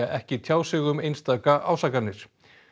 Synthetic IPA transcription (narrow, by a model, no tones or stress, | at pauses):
aʔɛhcɪt̪ʰjaːwsɪɣʏmejnst̪aːkaʔawsaːkanːɪɾ̥